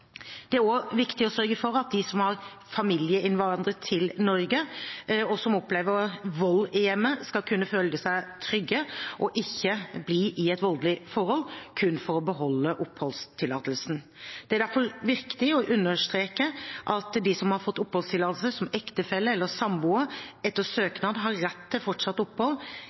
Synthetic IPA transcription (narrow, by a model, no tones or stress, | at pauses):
d̪̥ɛæɾoʋɪkt̪ɪɔsœɾɡəfɔɾɑt̪̚d̪ɪsɔmhɑɾ | fɑmiljəɪnʋɑnd̪ɾət̪ʰɪlnɔɾɡə | ɔsɔmɔpleːʋəɾʋɔlːɪjɛmːəskɑlkʰʉnːəføːld̪əsæɪt̪ʰɾʏɡːəʔɔʔɪçːəbliːʔɪɛt̪ʋɔld̪lɪfɔɾhɔlkʰʉnfɔɾɔbəɦɔlːəʔʊphɔlst̪ʰɪlːɑ̰ːt̪əlsn̩ | d̪̥ɛæɾɖæɾfɔɾʋɪɾkt̪ɪɔʔʉnːəɾʂt̪ɾeːkəʔɑt̪d̪ɪsɔmhɑɾfɔt̪ːʊpːhɔlst̪ʰɪlɑːt̪əl̩səsɔmɛkt̪əfɛlːəɛlːəsɑmbuəɛt̪ːəɾsøːknɑd̪ɦɑɾːɛt̪ʰːɪlfɔʈʂɑt̪ːʊpːhɔlː